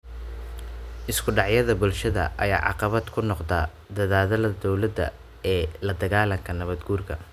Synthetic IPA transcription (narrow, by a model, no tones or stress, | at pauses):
ʔɪskʰʊɖɑʕjɐðɐbʊlʃɐðɐ̰ʔɐ̰ja̰ːʕɑ̰qɑβɐd̪kʰʊnɔqd̪ɐː | d̪ɐðaːðɐlɐd̪ɔwlɐd̪ɐ̰ | ɛːlɐd̪ɐɣaːlɐŋkʰɐnɐβɐd̪ɡuːrkʰɐ